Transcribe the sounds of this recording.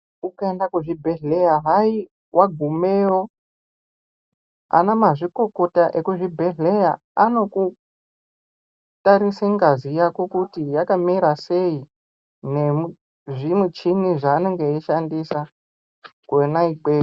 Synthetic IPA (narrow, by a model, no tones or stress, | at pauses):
ukaendakuʐibʱe̞ɮejaɦai | wʔaɡʱumeo̞ | a̰namaʐiko̞ko̞taʔekuʐibʱe̞ɮe̞ja | ano̞ku | taɾiseŋɡazijako̞kutijakamiɾase̞i | ne̞mu | ʐimut͡ʃiniʐaːno̞ŋɡe̞iʃandisa | kuenaikeː